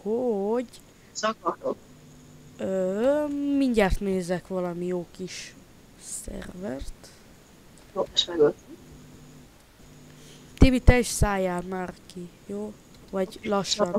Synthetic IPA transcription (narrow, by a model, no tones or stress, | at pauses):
hoɟ | sɒkɒt̪ok | ø | miɲɟaːrt̪neːzɛkʋɒlɒmijoːkiʃ | sɛ̰rvɛrt̪ | joːɛʃmɛɡot̪ | t̪ebit̪ɛiʃsaːjaːlmaːrkijoː | vɒɟlɒʃːɒn